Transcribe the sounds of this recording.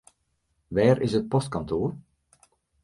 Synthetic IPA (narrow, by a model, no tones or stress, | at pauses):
ʋɛːɾɪ̰sət̚pɔstkɔntʰoːr